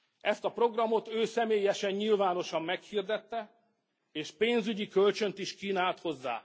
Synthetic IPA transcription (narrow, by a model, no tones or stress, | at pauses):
ɛst̪ɒpro̞ɡrɒmo̞t̪øːsɛmeːjɛʃɛɲɲilvaːno̞ʃɒmːɛkhird̪ɛt̪ːɛ | eːʃpeːnzyɟikø̞lt͡ʃø̞nt̪iʃkiːnaːlt̪ho̞zːa̰ː